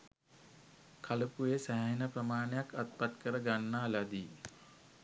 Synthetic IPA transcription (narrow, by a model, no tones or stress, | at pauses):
kʰaləpujesæɦɦinəprəmaːnəjakat̪̚pat̪kəɾəɡanːaːlad̪i